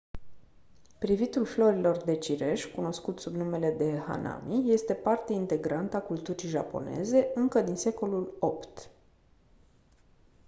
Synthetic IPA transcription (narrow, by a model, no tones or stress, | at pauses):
pɾivit̪ulflo̞ɾilo̞rd̪e̞t͡ʃiɾe̞ʃʲkuno̞skut̪subnume̞le̞d̪e̞ha̰na̰mʔije̞st̪e̞part̪eint̪e̞ɡɾant̪akult̪uɾiʒa̰po̞̰ne̞̰ze̞ɨŋkəd̪inse̞ko̞lulo̞pt̪